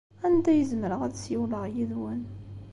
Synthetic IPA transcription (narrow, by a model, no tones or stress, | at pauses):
ænt̪æjəzməɾəʁæd̪sjəwləʁjiðwæn